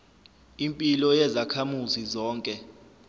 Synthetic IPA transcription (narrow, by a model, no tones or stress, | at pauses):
impʼilɔjɛzakʰamuzizɔːŋkʼɛ